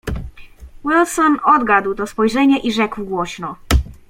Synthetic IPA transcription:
wilsɔnɔd̪ɡad̪wt̪ɔspɔjʐɛɲɛʔiʐɛkwɡwɔɕnɔ

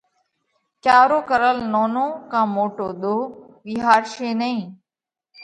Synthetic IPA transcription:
t͡ʃaːɾoːkəɾəlnoːnõːkãːmoːʈoːɗ̪oː | ʋiɦaːɾʃeːnəĩː

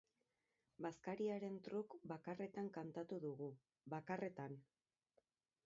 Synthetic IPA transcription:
baskaɾiaɾe̞nt̪ɾukbakare̞t̪aŋkant̪at̪uðuɣu | βakare̞t̪an

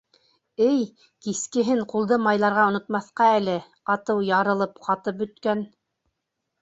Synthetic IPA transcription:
ɘj | kiskɘ̆ɦɘɴqulˠd̪ɤmɑjlˠɑɾʁɑŏnŏt̪mɑθqɑælɘ | qɑt̪ɤwjɑɾɤ̆lˠɤpqɑt̪ɤp̚bɵ̆t̪kæn

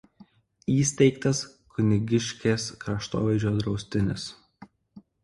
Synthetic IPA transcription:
iːsʲt̪ʲɛɪkt̪ɐs | kʰʊnʲɪɡʲɪʃʲkʲeːskɾɐʃt̪o̰ːʋʲɛɪd͡ʒʲoːd̪ɾɒʊsʲt̪ʲɪnʲɪs

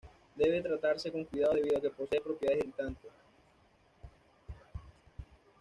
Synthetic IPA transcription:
d̪e̞βe̞t̪ɾat̪aɾse̞ko̞ŋkwiðaðoðe̞βiðoake̞po̞seːpɾo̞pjeaeɾit̪ant̪e

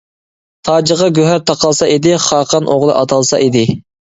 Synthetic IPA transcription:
t̪ʰɑːd͡ʒəʁɑɡʲøɦæɾt̪ʰɑqʰɑlˠsɑʔid̪ɪχɑːqʰɑnʔoʁlˠɨ̰ʔɑt̪ʰɑlˠsɑ̰ʔid̪ɪ

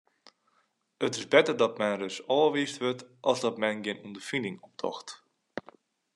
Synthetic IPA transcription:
ətɪsbɛtərdɔtmɛnrøsɔːəʋiːstʋøtʔɔlˠsdɔtmɛnɡɪənundərfindɪŋɔp̚tʰɔ̰xt

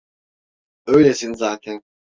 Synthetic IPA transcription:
øjlʲesinzaːt̪ʰɛn

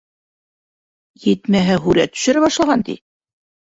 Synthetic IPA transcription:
jɘt̪mæɦɘɦʉɾæt̪ːɵ̥̆ʃɘ̆ɾæβɑʃlˠɑʁɑnt̪ḭ

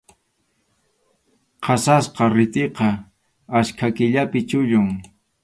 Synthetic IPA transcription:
qʰɑsasqɑɾɪt̪eqɑ | askʰakɪʎapɪt͡ʃʊʎʊŋ

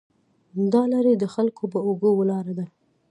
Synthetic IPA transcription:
d̪ɑlaɾed̪əxalkopəoɡəwəlɑɾad̪a

